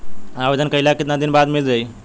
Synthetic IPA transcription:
aʋed̪ənkəiljakit̪nad̪inbad̪mild͡zaj

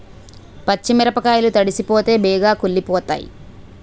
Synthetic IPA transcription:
pɐt͡ʃːimiɾɐpɐkaːjɐlut̪ɐɽisipoːt̪e̞ːbɛːɡaːkulːipɔːt̪a̰ːjḭ

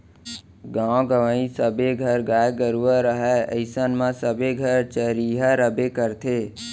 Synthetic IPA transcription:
ɡãːɡəʋəĩsəbeɡʱəɾɡaːeɡəɾuəɾəɦɛə̰ɪsənmãsəbeɡʱəɾt͡ʃəɾiːɦaɾəbekəɾt̪ʰeː

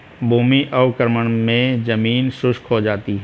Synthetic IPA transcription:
bʱuːmiʔɔːkəɾməɽ̃mẽd͡ʒəmiːnsʊʃkɦod͡ʒaːt̪iɦɛ

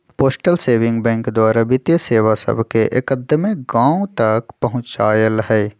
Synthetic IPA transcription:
poːsʈəlseːʋɪ̃ŋɡbɛ̃ːŋkd̪waːɾabɪt̪jəseːwasɐ̰bkeʔekəd̪əmeɡãːũt̪ɐkpɐɦʊ̃t͡ʃaːjəlɦɛː

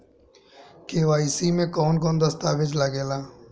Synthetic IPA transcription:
keːʋaːiːsiːmẽːkoːnk̬oːnd̪əst̪aːʋɪd͡ʒləɡeːlaː

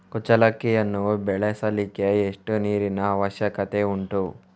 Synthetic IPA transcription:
kut͡ʃɐlɐkːijɐnːubɛɭesɐlikeːʂʈuniːɾinɐːʋɐʃjɐkɐt̪e̞uɳʈu

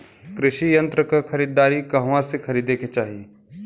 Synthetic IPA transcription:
kɾɪʃijɐ̃nt̪ɾəkakʰɐɾiːd̪aːɾikɐɦwãsekʰɐɾiːd̪eːket͡ʃaːɦijeː

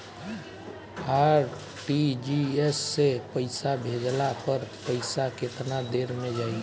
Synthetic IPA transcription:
aːɾ | ʈid͡ʒiesːepəɪsabʱed͡ʒlapəɾpəɪsakɪt̪nad̪eːɾmẽd͡ʒaːi

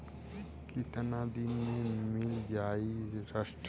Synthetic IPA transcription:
kit̪ənad̪inmemɪld͡ʒaːiɾaʃʈ

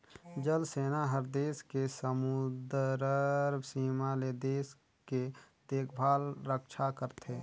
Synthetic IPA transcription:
d͡ʒəlseːnaɦəɾd̪eːskesəmʊd̪ɾəɾbsiːmaled̪eːs | ket̪eːkʰbʱaːlɾəkʃʰakəɾt̪ʰeː

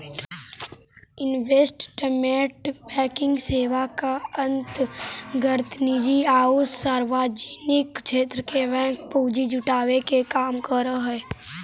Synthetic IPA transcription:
ɪnʋeːsʈʈəmeːʈbɛ̃ːkɪ̃ŋɡseːʋakaə̃nt̪ɡʱəɾt̪nid͡ʒiaːussaːɾʋaːd͡ʒinɪkt͡ʃʰeːt̪ɾəkebɛ̃ːk̚puːd͡ʒid͡ʒʊʈaːʋekekaːmkəɾəɦɛː

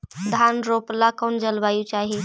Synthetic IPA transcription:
d̪ʱanɾoplakond͡ʒəlʋajut͡ʃaɦe

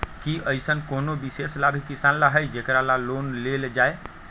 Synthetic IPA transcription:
kiʔəjsənkonobiseslabʱikisanlaɦəjd͡ʒekɾalalonleld͡ʒae

